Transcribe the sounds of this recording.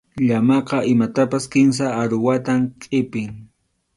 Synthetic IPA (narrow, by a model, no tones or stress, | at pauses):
ʎamɑqɑɪmat̪apaskɪns̬aːɾʊwat̪amkʼɪpɪŋ